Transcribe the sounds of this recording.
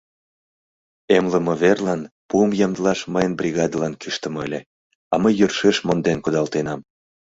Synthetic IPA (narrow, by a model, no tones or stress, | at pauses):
emləmɤβerlɑnpuəmjɑmd̪əlɑʃməjənbrʲiɣɑd̪əlɑnkyʃt̪ə̆məlʲe | ɑməjːørʃeʃmond̪enkud̪ɑlt̪enɑm